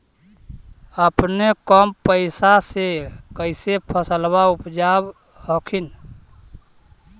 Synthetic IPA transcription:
əpnekəmpəɪsasekəɪsepʰəsəlbaupd͡ʒab | hokʰin

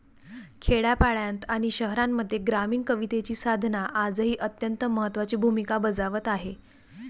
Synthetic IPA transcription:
kʰeɭjapaɭjãnt̪aɽ̃iɕəɦɾamːəd̪ʱːjeɡɾamiːnkəʋit̪et͡ɕiːsad̪ʱnaʔad͡zəɦiːʔət̪jənt̪əməɦət̪ːʋat͡ɕiːbʱumikabəd͡zaʋət̪aɦe

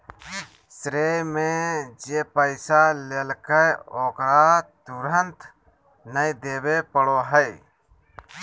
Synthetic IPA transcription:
sɾeːmẽːd͡ʒeːpəɪsaːlelkəjoːkɾaːt̪ʊɾənt̪ | nəĩd̪eːbeːpəɽoːɦəj

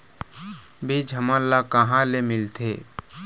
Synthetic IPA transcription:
bid͡ʒʱəmãlːakəɦãlemɪlt̪ʰeː

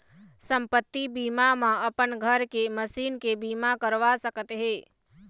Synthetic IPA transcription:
səmpət̪ːibimamãəpəɳɡʱəɾkeməsinkebimakəɾʋasəkət̪ɦe

